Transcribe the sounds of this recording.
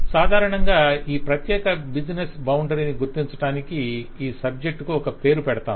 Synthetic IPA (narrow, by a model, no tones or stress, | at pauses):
saːd̪ʱaːɾɐɳɐŋɡaːiːpɾɐt̪jɛːkɐbid͡ʒnesbɐwɳɖɐɾiniɡuɾt̪iɲt͡ʃɐʈaːnikiiːsɐb̚d͡ʒe̞k̚ʈkuɔkɐpe̞ːɾupɛɽɐt̪a̰ːm